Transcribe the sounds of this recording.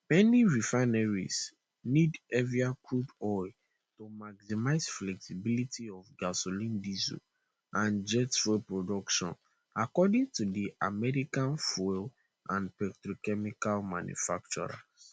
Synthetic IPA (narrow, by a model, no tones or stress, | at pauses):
mɛniɹifaɪnɛɹḭs | nidɛviakɹudɔɪ | tomaɡsimaɪzflɛksibilitʰiɔfɡasolĩndizo̰ | ãnd͡ʒɛtfɔpɹodɔkʃɔ̰̃n | akɔdĩŋtudiʔamɛɹikãnfɔl | ʔã̰npɛktɹokɛmikalmãnjṵfak̚t͡ʃṵɹa̰s